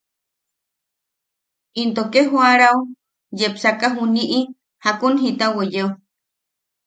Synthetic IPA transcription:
int̪okeɦwaɾau | jepsakaɦuniʔi | hakunɦit̪awejeo

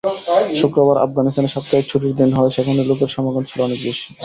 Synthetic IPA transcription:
ʃokɾobaɾʔa̰fɡanist̪aneɾʃapt̪aek̚t͡ɕʰoʈiɾd̪inɦɔeʃɛkʰoneɾlok̬eɾʃɔmaɡont͡ɕʰiloɔnek̚beʃi̥

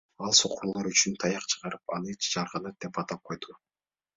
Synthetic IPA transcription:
ɑlˠso̞quɾulˠoɾyt͡ʃynt̪ʰɑjɑqt͡ʃʰɯ̥ʁɑɾɯp̚ɑ̰nˠet͡ʃd͡ʒɑɾʁɑnɑt̪̚d̪epɑt̪ɑp̚qʰo̞jd̪u

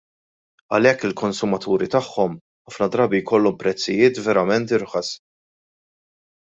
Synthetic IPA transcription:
ɐ̰lɛkːɪlkɔnsʊmɐt̪uːɾit̪ɐħːɔm | ħɐfnɐd̪ɾɐːbijkɔlːɔmpɾɛt͡sːɪjɪːt̪vɛɾɐmɛnt̪ɪɾħɐs

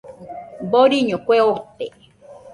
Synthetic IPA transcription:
boɾiɲõkʷeot̪e

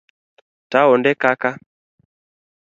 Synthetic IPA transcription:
taɔndɛkaka

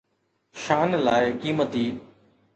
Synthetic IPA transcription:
ʃaːnlaːɪkiːmət̪iː

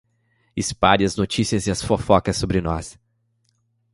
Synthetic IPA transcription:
ɪspaʎɪɐznot͡ʃisiɐzɪɐsfofɔkɐsːobɾɪnɔ̰s

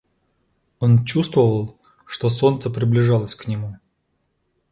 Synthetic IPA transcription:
ont͡ɕust̪vəvəlˠ | ʂt̪oso̞nt̪səpɾʲɪblʲɪʐɑlˠəsʲknʲɪmu

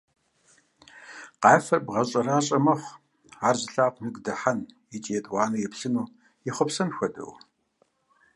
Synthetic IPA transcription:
qɑːjfɐrbʁɐɕʼɐraːɕʼɐmɐχʷ | aːrzɨɬaːqʷʰnɨɡdɐħanjɛt͡ʃʼijɛtʼwɑːnɨjɛpɬɨnuː | jɛχʷɔpsɐnxʷɐdʼɐ̰w

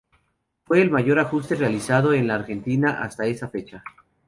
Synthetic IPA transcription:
fwe̞ːlmaʝo̞ɾaxust̪e̞realisað̞o̞e̞nlaːɾxe̞nt̪inaʔa̰st̪ae̞safe̞t͡ʃa

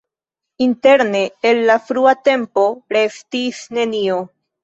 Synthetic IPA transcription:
int̪e̞ɾne̞ːlːafɾuat̪e̞mpo̞ɾeft̪isne̞nio

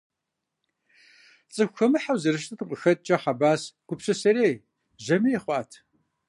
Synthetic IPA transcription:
t͡sʼɨxʷxɐmɨħawzɨɾɨʃ̬tʼʰɨtʰɨqʷʼəxɐt̚ʼt͡ʃʼɐħɑbaːsɡ̥ʷʊpɕɐsɐɾeː | ʒɐmijeχʷɑːtʰ

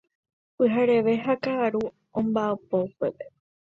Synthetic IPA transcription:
pɨɦaɾe̞ʋe̞ɦakaːɾu | õmbaapoupepe̞

